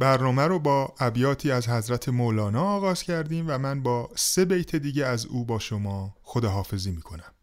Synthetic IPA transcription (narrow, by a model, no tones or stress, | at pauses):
bæɾnɒːmæɾobɒːæbjɒːt̪ʰiːæzhæzɾæt̪ʰe̞molɒːnɒːɣɒːz̥cʰæɾd̪iːmvæmænbɒːse̞bejt̪ʰe̞d̪iːɟeæzuːbɒːʃo̞mɒːxod̪ɒːɦɒːfe̞ziːmiːkʰo̞næm